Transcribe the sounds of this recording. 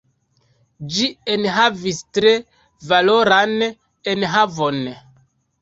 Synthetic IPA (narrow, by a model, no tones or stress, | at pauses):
d͡ʒienɦavistɾe̞ | valoɾan | enɦavo̞n